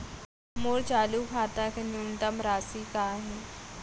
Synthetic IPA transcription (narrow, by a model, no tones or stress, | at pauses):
moːɽt͡ʃaːlukʰaːt̪akenunt̪əmɾaːsiːkaɦe